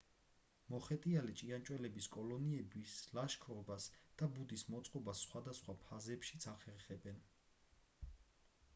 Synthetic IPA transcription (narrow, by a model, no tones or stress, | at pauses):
mɔχɛt̪ʼialɛt͡ʃʼiant͡ʃʼwɛlɛbiskʼɔlɔniɛbislaʃkʰɾɔbasd̪̥abud̪ismɔt̪sʼqʼɔbasːχwad̪asχwapʰazɛpʃit̪sʰaχɛɾχɛbɛn